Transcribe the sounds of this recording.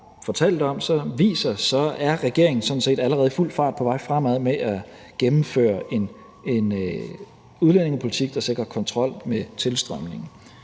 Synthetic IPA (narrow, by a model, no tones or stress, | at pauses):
fɒ̽t͡sʰɛl̰d̥ɒ̽msɒ̽ʋḭːsɐsɒ̽æɐʁɛɡ̥e̝ɐe̝ŋn̩sɒ̽d̥n̩se̝̰ːd̥æləʁɛːð̞̩ˠful̰̥fɑ̈ːd̥̚pʰɒ̽ʋɑ̈ɪ̰fʁam̰æðˠmeʔæ | ɡ̥emm̩fø̰ːɐe̝n | e̝n | uð̞ˠlen̰e̝ŋəpʰo̝lit͡sʰiɡ̥̚d̥ɑ̈se̝ɡ̥ʁɐkʰɒ̽nt͡sʰʁɒ̽l̰met͡sʰe̝lsd̥ʁœm̰ne̝ŋn̩